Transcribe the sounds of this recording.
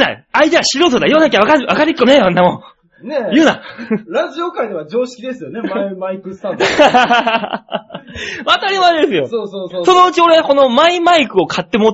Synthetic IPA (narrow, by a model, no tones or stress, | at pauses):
na̰aid̪eβaɕiɾot̪od̪ajoːnakʲaβakaɾɯ̟βakaɾɯkːonejõnːamõ | nejɯ̟ːnaɾaʑiokaid̪eβad͡ʑo̞ːɕi̥kʲid̪esɨjonemmaikɯst̪a | βat̪aɾʲimaid̪e̞sɨjo̞sosoːoso̞no̞ɯ̟t͡ɕio̞ɾeko̞no̞maimaikɯ̟o̞kʰat̪ːe̞mo